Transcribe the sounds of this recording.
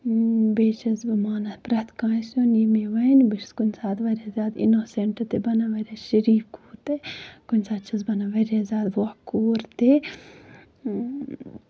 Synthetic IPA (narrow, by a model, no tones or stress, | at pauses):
beːt͡ʃʰɐzbɐmaːnɐspɾɐt̪kãːjsunimeʋɐnbiɾskunsaːd̪ʋɐɾʲazʲaːd̪ḭnoseɳʈɐt̪ebɐnaʋɐɾʲaʃɐɾiːfkuːɾt̪ekunʲsaːd̪t͡ʃʰɐzbɐnaʋɐɾazʲaːd̪ʋokuːɾt̪e